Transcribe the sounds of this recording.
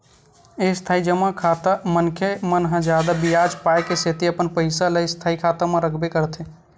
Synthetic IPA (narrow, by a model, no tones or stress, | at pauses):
est̪ʰaːid͡ʒəmakʰat̪əmənkʰemənɦə̃d͡ʒaːd̪abijad͡ʒpaekeset̪iəpənpəɪsaləjst̪ʰaːikʰat̪əmẽɾəkʰbekəɾt̪ʰe